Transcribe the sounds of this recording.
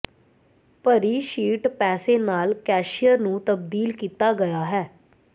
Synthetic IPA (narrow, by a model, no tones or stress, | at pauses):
pəɾiːʃiːʈpɛːseːnaːlkɛːʃɪjəɾnũːt̪əb̚d̪iːlkiːt̪aːɡəjaːɦɛː